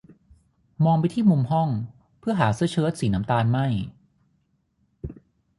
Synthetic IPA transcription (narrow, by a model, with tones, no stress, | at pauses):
mɔː˧ŋp̬a˧jt̪ʰiː˥˩mu˧mɦɔ˥˩ŋ | pʰɯ˥˩ɐɦaː˩˦sɯ˥˩ət͡ɕʰɤː˦˥t̪̚siː˩˦na˩˦mt̪aː˧nma˥˩j